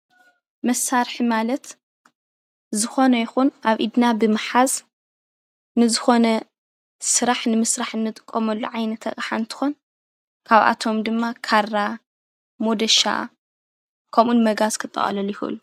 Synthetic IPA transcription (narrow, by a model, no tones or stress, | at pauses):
mɐsaɾħimalɐt̪ | zɨxo̞nɐjɪxunʔaβʔid̪nabɨmɨħaz | nɨzɨxo̞nɐ | sɨɾaħnɨmɨsɾaħɨnːɨt̪ʼɨ̥kʼːomɐlːuʕajnɐt̪ʰɐ̰kʼħant̪ʰɨ̥xon | kʰaβʔa̰t̪ʰo̞md̪ɨmːakʰarːa | mod̪ɐʃa̰ | kʰɐmʔunmɐɡazkʰɨt̪ʼːɐ̰χʼɐ̰lɐlujɪxɨ̰ɨ̰lu